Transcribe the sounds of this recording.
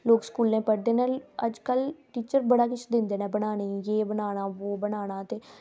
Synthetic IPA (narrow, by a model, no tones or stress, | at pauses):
loːkskuːlnẽːpəɽd̪eːnaləd͡ʒkəlʈiːt͡ʃəɾbəɽaːkɪt͡ʃʰd̪ɪ̃nd̪eːnɛ̃ːbənaːneːjeːbənaːñaːʋoːbənaːɽ̃aːt̪eː